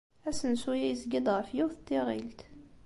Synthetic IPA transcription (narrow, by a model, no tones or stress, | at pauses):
æsənsujæjəzɡid̪ˤʁəfjuθt̪ːiʁilt̪